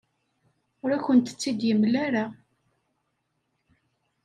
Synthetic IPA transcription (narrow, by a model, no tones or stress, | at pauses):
ʊɾæçənt̪ə̥t͡sːid̪jəmlaɾa